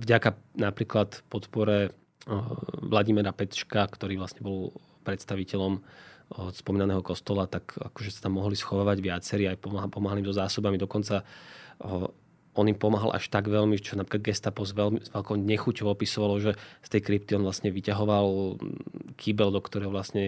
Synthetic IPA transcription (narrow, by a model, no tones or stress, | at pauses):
vɟakanapɾiːklat̪pɔt̪pɔɾɛ | ʋlaɟimɛɾapɛt̪ʃkakt̪ɔɾiːʋlasɲɛbɔl | pɾɛt̪st̪aʋicɛʎɔm | spɔmiːnanɛːɦɔkɔst̪ɔlat̪aka̰kɔʒɛsḁt̪amːɔɦlisxɔʋaːʋaɟʋɪat͡sɛɾiːajpɔpɔmaɦalimzɔzaːsɔbamid̪ɔkɔnt͡sa | ɔnimpɔmaɦalʔa̰ʃt̪aɡʋɛʎmit͡ʃɔnapɾiklad̪ɡɛst̪apɔzʋɛlmzʋɛlkɔʊɲɛxucɔʋɔpisɔʋalɔʒɛst̪ɛjkɾip̚t̪iɔnʋlasɲɛʋicaɦɔʋal | kʰibɛld̪ɔkt̪ɔɾɛjɦɔʋlasɲɛ